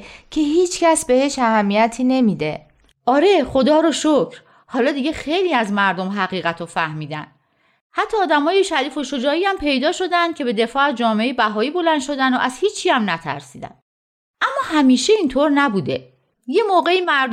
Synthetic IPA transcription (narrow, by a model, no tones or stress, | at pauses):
cʰe̞ɦiːt͡ʃcæsbe̞he̞ʃæhæmːijæt̪ʰiːne̞miːd̪ḛ | ʔɒːɾe̞χo̞d̪ɒːɾoʃocɾ | hɒːlɒːd̪iːɟe̞xe̞jliːæzmæɾd̪o̞mɦæɣiːɣæt̪ʰofæhmiːd̪æ̰n | hæt̪ʰːɒːd̪æmɒːjeʃæɾiːfo̞ʃo̞d͡ʒɒːiːæmpʰe̞jd̪ɒːʃo̞d̪ænd̪̚cʰe̞be̞d̪e̞fɒːæzd͡ʒɒːmeejibæɦɒːiːbo̞lænd̪ʃo̞d̪ænd̪o̰ʔæzhiːt͡ʃʰːiːæmnæt̪ʰæ̰ɾsiːd̪æ̰n | ʔæmːɒːhæmiːʃe̞iːnt̪ʰoɾnæbuːd̪e̞ | je̞moːɣe̞iːmæɾ